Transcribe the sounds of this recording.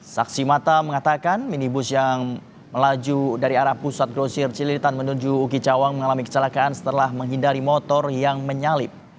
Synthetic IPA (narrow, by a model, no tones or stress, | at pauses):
saksimat̪aməŋat̪akanminibʊsjaŋ | məlad͡ʒudaɾiaɾahpusat̪̚ɡɾosɪrt͡ʃilit̪anmənud͡ʒuːkit͡ʃawaŋməŋalamikə̥t͡ʃəlakaʔansə̥t̪əlahməŋɦindaɾimɔt̪ɔrjaŋməɲalɪp̚